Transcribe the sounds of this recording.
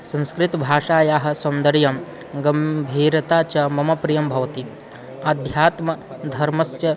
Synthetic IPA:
sɐ̃nskɾit̪bʱaːʂaːjaːɦɐ̆sɐnd̪ɐɾjɐm | ɡɐmbʱiːɾɐt̪aːt͡ʃɐmɐmɐpɾijɐmbʱɐʋɐt̪i | ɐd̪ʱjaːt̪mɐd̪ʱɐɾmɐsjɐ

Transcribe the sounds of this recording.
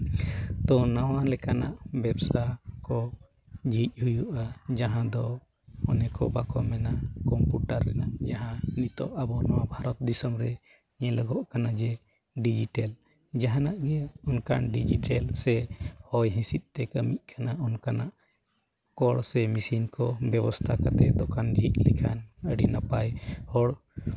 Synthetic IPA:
t̪ɔnawalɛkana̰ʔbɛbsakɔ | d͡ʒʱic̚ˀhujuʔad͡ʒaɦãd̪ɔ | ɔnɛkɔ̰bakɔmɛnakɔmpjuʈaɾːɛ̰nad͡ʒaɦãnit̪ɔ̰ʔabɔnɔwabʱaɾɔt̪̚d̪isɔmɾɛ | ɲɛ̃ləɡɔʔkanad͡ʒɛ | ɖid͡ʒiʈɛl | d͡ʒaɦanaʔɡɛɔnkanɖid͡ʒiʈɛlsɛhɔjɦĩsit̪̚ˀt̪ɛkəmiʔ̚ˀkʰanaɔnkanaʔ | kɔɽsɛmisinkɔbɛbɔst̪ʰakat̪ɛd̪ɔkand͡ʒiʔlɛkʰanəɖinapajhɔɽ

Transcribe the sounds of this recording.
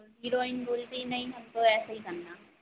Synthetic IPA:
ɦiːɾoːɪnboːlt̪inɐ̃ĩɦɐmt̪õɛːsaɦikɐɾnaː

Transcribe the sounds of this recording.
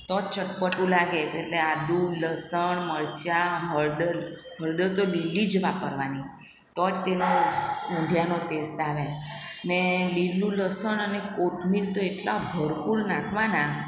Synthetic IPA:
t̪ɔt͡ʃəʈpəʈũlaɡet̪eʈlead̪uləsəɳməɾt͡ʃaɦəɾɖəl | ɦəɾɖəlt̪olilːid͡ʒəʋapəɾʋani | t̪ɔt̪enoũɖʱjanot̪est̪aʋe | nelilũləsəɳənekoʈʰmilt̪oeʈlabʱəɾpuɾnakʰʋana

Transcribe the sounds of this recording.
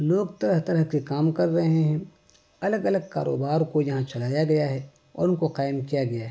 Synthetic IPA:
loːɡt̪ɐɾəɦt̪ɐɾəɦkekaːmkɐɾːɐɦeɦɛ̃ | ɐləɡɐləɡ̚ka̰ːɾo̰ːbaːɾkojɐɦãt͡ʃɐlaːjaɡɐjaɦɛ | ɔ̰ːɾʊnkoqaːɪmkijaɡɐjaɦɛ

